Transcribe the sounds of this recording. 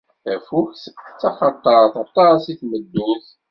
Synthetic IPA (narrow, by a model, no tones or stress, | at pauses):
θæfuçsə̥t͡sːɑχɑt̪ˤːɑɾˤθɑt̪ˤːɑˤsiθməd̪ːuθ